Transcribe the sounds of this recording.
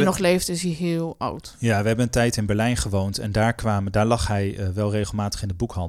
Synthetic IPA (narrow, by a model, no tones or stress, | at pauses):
nɔχlejftɪsiɦɪːlˠʌ̰wtjaːʋəɦɛbənəntɛjtɪnbɛɹlɛjnχəʋowntɛ̰ndaːɹkʋaːmədaːɹlɑχɦɛjəʋɛlˠrejχəlˠmaːtə̥χɪndəbukɦɑnd